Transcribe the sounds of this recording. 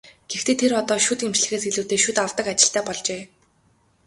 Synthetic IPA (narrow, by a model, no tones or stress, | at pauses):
ɡ̥ext̪ʰeːt̪ʰeɾɔt̪ɔːʃut̪emt͡ɕɮɘ̆xeːs̬eɮŭwt̪eːʃut̪aw̥t̪ə̆kat͡ɕɪ̆ɬt̪æːpɔɮt͡ɕeː